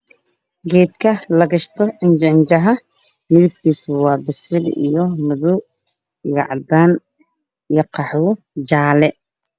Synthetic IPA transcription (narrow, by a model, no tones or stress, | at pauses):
ɡɛːd̪kʰɐlɐɡɐʃt̪ʰɔɪnd͡ʒɐnt͡ʃɐɦɐ | mɪðib̚kʰiːswɑːbɪsɪlḭjɔmʊðʊ | ɣɑ̰ʕd̪aːn | ijqɑħwʊ | d͡ʒaːlɛ